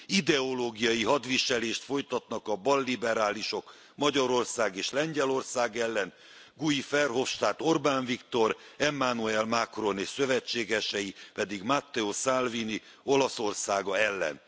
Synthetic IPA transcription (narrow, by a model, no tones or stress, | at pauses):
id̪ɛo̞loːɡijɒjiɦɒd̪ʋiʃɛleːʃt̪fo̞jt̪ɒt̪nɒkɒbɒlːibɛɾaːliʃo̞k | mɒɟɒɾo̞rsaːɡeːʃlɛɲɟɛlo̞rsaːɡɛlːɛn | ɡuifɛrɦo̞fʃt̪aːt̪o̞rbaːɱvikt̪o̞ɾɛmːanuɛlmakro̞neːʃsø̞vɛt͡ʃːeːɡɛʃɛjipɛd̪iɡmat̪ːɛosalvini | o̞lɒso̞rsaːɡɒɛlːɛ̰n